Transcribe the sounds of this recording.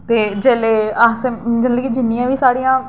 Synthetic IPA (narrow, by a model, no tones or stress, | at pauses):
t̪eːd͡ʒeːleːaːsed͡ʒənd̪əɡid͡ʒɪnːijãːʋiːsaːɽĩjãː